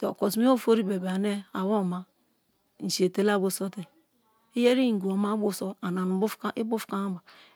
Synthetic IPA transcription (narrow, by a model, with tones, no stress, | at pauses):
te˨o̰˨ko˨smi˦o˦˨fo˦ɾi˦be˨ba˨ne˦a˨wo˦˨ma˦ | n̩˨si˨e˨te˦la˦˨bo˨so˦te˨ | i˦je˦ɾi˦ŋ̩˨ɡu˨o˨ma˦bu˦˨so˦a˨na˨nu˨˦bu˦fka˦ʔi˦bu˦fka˦ba˨